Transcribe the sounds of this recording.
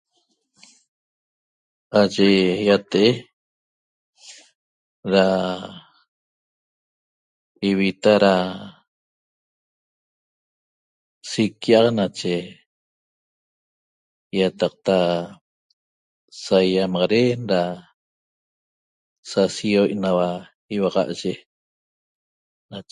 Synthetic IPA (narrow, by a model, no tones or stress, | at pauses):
aʒejat̪eʔe | ɾa | iβit̪aɾa | sikːiʔaʁnat͡ʃe | jat̪ɑq̚t̪a | sajamɑʁɑɾenɾa | sasioʔnawa | iwɑʁɑ̰ʔʒe | na